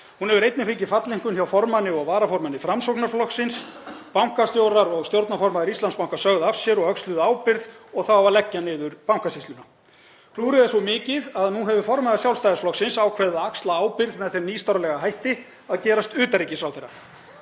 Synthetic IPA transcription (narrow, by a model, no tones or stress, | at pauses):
hunhɛvʏɾejt̪nɪfɪɲcɪfat̪liŋ̥kʏnçawfɔɾmanɪɔɣvaːɾafɔɾmanɪfɾamsowknaflɔksɪnspawŋ̥kast̪jowɾaɾɔɣst̪jowɾt̪nafɔɾmaðɪɾist̪lanspawŋ̥kasœɣðafsjɛɾɔɣœkslʏðʏaːwpɪɾðɔɣθawvaɾlɛcːanɪːðʏɾpawŋ̥kasist̪ʏna | kʰluːɾɪðasɔmɪːcɪðaðnuɦɛvʏfɔɾmaðɪsjawlst̪ajasflɔksɪnsaːwkʰvɛɾðaakst̪laaːwpɪɾðmɛðθemniːst̪awɾalɛɣaɦajht̪ɪ | aðcɛːɾast̪ʏːt̪aɾiːcɪsɾaw̪θejrːa